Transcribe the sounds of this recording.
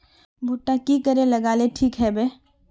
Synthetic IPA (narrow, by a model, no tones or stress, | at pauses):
bʱuːʈːakikəɾẽlɐɡaːleʈʰiːkɦɛbeː